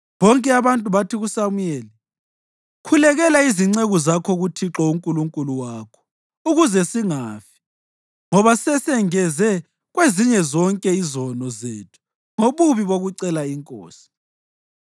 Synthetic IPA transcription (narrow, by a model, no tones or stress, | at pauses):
βɔŋkʼɛaβantʼuβatʰiɣusamujɛːli | kʰulɛɣɛlaiziŋ͡ǀeɣuzakʰɔɣutʰiǁɔuŋkʼuluŋkʼuluwaːkʰɔ̥ | uɣuzɛsiŋaːfi̥ | ŋɔβasɛsɛŋɛzɛ | ɣweziɲɛzɔŋkʼɛizɔnɔzeːtʰu̥ | ŋoβuβiβoɣuǀɛlaiŋkʼo̰ːsi̥